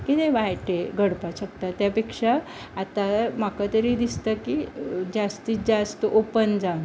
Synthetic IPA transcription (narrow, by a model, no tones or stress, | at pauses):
kit̪eʋajʈeɡʱəɽpaɕək̚t̪at̪japekʂaː | t̪amakat̪əɾid̪ist̪əkid͡ʑast̪id͡ʑast̪əʔopənd͡zã